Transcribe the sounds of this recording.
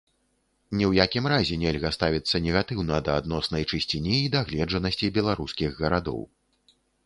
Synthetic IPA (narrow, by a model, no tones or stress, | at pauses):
nʲɛwjakʲimɾazʲɛnʲɛlʲɣɐst̪avʲit̪sːɐnʲɛɣat̪ɨwnɐd̪ɐːd̪nɔsnɐjt͡ʂɨsʲt͡sʲinʲiːd̪aɣlʲɛd͡ʐɐnɐsʲt͡sʲibʲɛlˠaɾuskʲiɣɣɐɾad̪ɔ̰w